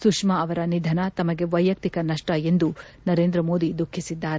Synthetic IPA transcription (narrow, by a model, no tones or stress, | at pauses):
sukʂmɐːʋɐɾɐnid̪ʱɐnɐt̪ɐmɐɡe̞ʋɐjːɐk̚t̪ikɐnɐʂʈɐe̞nd̪u | nɐɾeːnd̪ɾɐmo̞ːd̪id̪ukʰːisid̪ːaːɾe